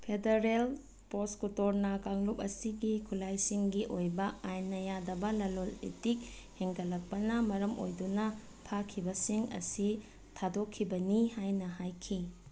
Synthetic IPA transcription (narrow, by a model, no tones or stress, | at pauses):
pʰedeɾel | poskutoɾnɐkaŋlup̚ɐsiɡikʰulajsiŋɡiʔojbɐajnɐjadɐbɐlɐlolḛtik̚ | heŋɡɐlɐk̚pɐnɐmɐɾɐmo̰jdunɐ | pʰakʰibɐsiŋɐ̰si | tʰadokʰːibɐnihajnɐɦajkʰi